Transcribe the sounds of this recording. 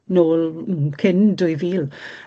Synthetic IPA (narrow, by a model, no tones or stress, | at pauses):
noːlˠkʰɪndʊjviːlˠ